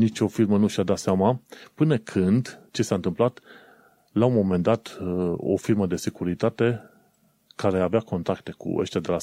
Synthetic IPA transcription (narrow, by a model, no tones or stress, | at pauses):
nit͡ʃʲo̞firmənuʃad̪at̪seamapɨnəkʰɨnd̪t͡ʃe̞saɨnt̪ɨmplat̪ | laumo̞me̞nd̪at̪o̞̰firməd̪e̞se̞kuɾit̪at̪e̞ | kaɾe̞aveako̞nt̪ɾakt̪e̞kṵə̰ʃt̪ead̪e̞la